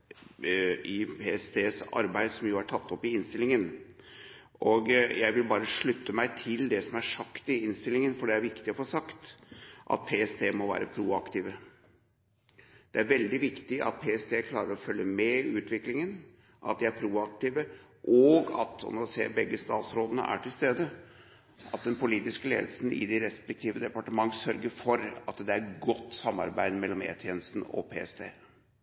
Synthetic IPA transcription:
ʔɪpʰeːɛst̪ʰeːsɑ̰ɾbæɪd̪sɔmjʊæʈʰɑt̪ːɔpːɪɪnst̪ɪlɪŋən | ʔɔɡjæɪʋɪlbɑːɾəʂɭʉt̪ːəmæɪt̪ʰɪld̪ɛsɔmæʂɑkt̪ɪɪnst̪ɪlɪŋənfɔɖɛæɾʋɪkt̪ɪɔfoːʂɑkt̪ʔɑ̰t̪̚pʰeːɛst̪ʰeːmɔʋæ̰ːɾəpʰɾuːɑkt̪iːʋə | d̪̥ɛæɾʋɛld̪ɪʋɪkt̪ɪʔɑ̰t̪̚pʰeːɛst̪ʰeːkʰlɑːɾəɾɔfœljəmɛʉːt̪ʋɪklɪŋən | ʔɑ̰t̪̚d̪ɪæɾpʰɾuːɑk̚t̪iːʋə | ʔɔɡɑ̰t̪ɔ̰nsḛːbɛɡːəst̪ɑːt̪sɾoːd̪ənə̰ʔæ̰ʈʰɪlst̪eːd̪ə | ʔɑt̪̚d̪ɛnpʊliːt̪ɪskəlḛːd̪əl̩sn̩ɪ̰d̪ɪɾɛspɛk̚t̪ʰiːʋəd̪ɛpɑʈəmɑŋːsœɾɡəɾfɔɾɑt̪d̪ɛæɾɡɔt̪ːsɑmːɑ̰ɾbæɪd̪mɛlːɔmḛːt̪ʰjeːnəst̪n̩ɔ̰pʰeːɛst̪ʰḛː

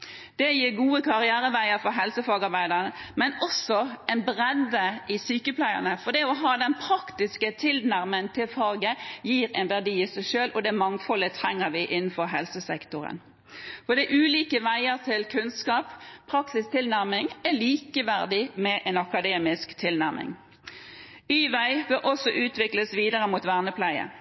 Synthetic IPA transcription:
d̪̥ɛjiːɾɡuːəkʰɑʁɪæːɾəʋæɪəɾfɔɦɛlsəfɑːɡɑɾbæɪd̪əʁnəmɛnɔsɔɛnbʁɛd̪əʔɪsyːkəplæɪə̰nəfɔd̪ɛɔɦɑːd̪ɛnpʰɾɑkt̪ɪskət̪ʰɪlnæɾmənt̪ʰɪlfɑːɡəjiːɾɛ̰nʋæʁd̪iːɪsæɪʃøːlʔɔd̪ɛmɑŋfɔlət̪ʰɾɛŋːəɾʋɪʔɪnːn̩fɔɾɦɛlsəsɛkt̪ʊɾə̰n | fɔd̪æʔʉːliːkəʋæɪəʁt̪ʰɪlkʰʉnskɑːppʰʁɑksɪst̪ʰɪlnæʁmɪŋɛliːkəʋæʁd̪ɪmɛʔɛnɑkɑd̪eːmɪskt̪ʰɪlnæʁmɪ̰ŋ | yːʋæɪʋɪlʔɔsɔʔʉːt̪ʋɪkləsʋiːd̪əʁəmuːt̪ʋæʁnəpʰlæɪə̰

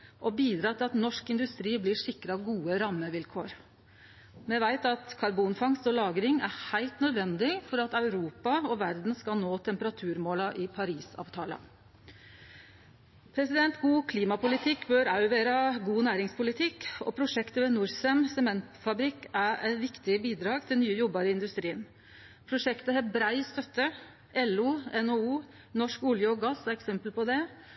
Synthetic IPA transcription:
ʔɔbiːd̪ɾɑːt̪ʰɪlɑt̪nɔʂkɪnd̪ʉst̪ɾiːblɪʂɪkːɾɑɡuːəɾɑmːəʋɪlkʰoːɾ | mɛʋæɪt̪ɑt̪kʰɑɾbuːnfɑŋst̪ɔlɑːɡɾɪŋæhæɪlt̪nœd̪ʋɛnd̪ɪfɔɾɑt̪ɑʉɾuːpɑɔʋæɾd̪nskɑlnoːt̪ʰɛmpəɾɑt̪ʰʉːɾmoːlɑʔɪpʰɑɾiːsɑ̰ːʋt̪ʰɑːlɑ̰ | pʰɾɛsɪd̪ɛnt̪ɡuːkʰliːmɑpʊlɪt̪ʰɪkːbøɾɑʉʋeːɾɑɡuːnæːɾɪŋspʰʊlɪt̪ʰɪkːɔ̰pʰɾʊʂɛkt̪əʋɛnuɾsɛmsɛmɛnt̪fɑbɾɪkːæɾæ̰ɪt̪ʋɪkt̪ɪbiːd̪ɾɑːɡt̪ʰɪlnyːəjɔbːɑɾəɪnd̪ʉst̪ɾiːən | pʰɾʊʂɛkt̪əhɛbɾæɪst̪œt̪ːə | ʔɛlːuːɛnouː | nɔʂkʊljəɔɡɑsæɛksɛmpəlpɔd̪ɛ

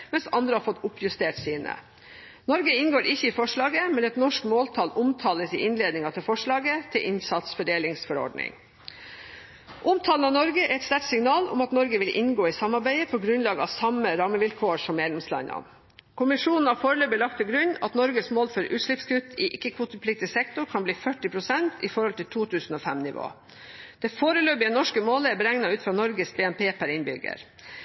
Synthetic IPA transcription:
mɛnsɑ̰nd̪ɾəhɑːɾfɔt̪ːʊpːjʉst̪eːʈsiːnə̰ | nɔɾɡəɪnɡoːɾɪçːəiːfɔʂɭɑːɡəmɛnɛt̪nɔʂkmoːlt̪ʰɑlʊmt̪ʰɑːləsɪʔɪnleːd̪nɪŋɑt̪ʰɪlfɔʂɭɑːɡət̪ʰɪlʔɪnsɑt̪sfɔɖeːlɪŋsfɔɾɔ̰ɖnɪ̰ŋ | ʔʊmt̪ʰɑːlnɑnɔɾɡəʔɛɾɛt̪st̪æʈsɪŋnɑːlʊ̰mɑt̪nɔɾɡəʋɪlʔɪ̰nɡoːɪsɑmɑɾbæɪəpʰɔɡɾʉnlɑːɡəɑ̰ʋsɑməɾɑmːəʋɪlkʰoːʂɔmːeːd̪lɛmslɑ̰nɑ̰n | kʰʊmɪʂuːnn̩hɑfoːɾəløːbəlɑk̚t̪pʰɛɡɾʉɲɑt̪nɔɾɡəsmoːlfɔɾʉːt̪ʂɭɪpskʉt̪ʰɪʔɪkːəkʰʋuːt̪əpʰlɪk̚t̪ɪsɛkt̪ʊɾkʰɑnbliːfœʈːɪpʰɾʊsɛnt̪ʰɪfɔɾhɔlt̪ʰɪlt̪ʰuːt̪ʰʉːsn̩oːfɛmnɪʋo̰ː | d̪̥ɛːfoːɾəløːbɪɛnɔʂkəmoːləɛbəɾæŋnɑʉːt̪fɾɑːnɔɾɡəsbeːɛmpʰeːpʰæɾɪnbʏɡə̰ɾ

